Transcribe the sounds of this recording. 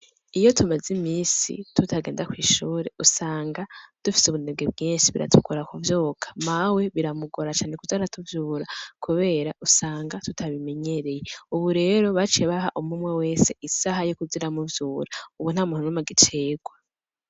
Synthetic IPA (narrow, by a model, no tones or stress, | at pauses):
ijo̞tʰumazimiːsḭtutʰaɡe̞ːndakwiːʃuːɾe̞usaːŋɡad̥ufi̥suβuneb̚ɡebɡiːnʃiβiɾʔa̰tʰukʰoɾakuvjoːkʰḁmawe̞βiɾamuɡoɾat͡ʃaːnekuzaɾatʰuvjuːɾakʰuβe̞ːɾaʔusaːŋɡatutʰaβime̞ɲe̞ɾe̞jeuβuɾe̞ːɾo̞βat͡ʃeβaɦa̰ʔumumwewe̞ːse̞ʔisaɦajokuziɾamuvjuːɾauβun̥haːmuːnunumaɡitʰe̞ːɡwa